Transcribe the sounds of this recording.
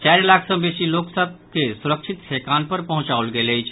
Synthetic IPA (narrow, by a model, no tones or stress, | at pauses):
t͡ʃaɾlakʰsə̃besiloksəb̚ʱkesuɾək̚t͡ʃʰit̪sʰekanpəɾpəɦʊ̃t͡ʃawlɡeləjt͡ʃʰ